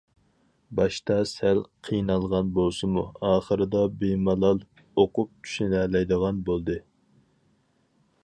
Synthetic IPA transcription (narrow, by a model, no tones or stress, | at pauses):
bɑʃt̪ɑsælqʰijnɑlˠʁɑnbolˠsɨmuɑːχəɾɨd̪ɑbemɑlˠɑlˠ | oqʊp̚t͡ʃ̪ʲʰy̥ʃnɛlɛjd̪əʁɑnbolˠd̪ɨ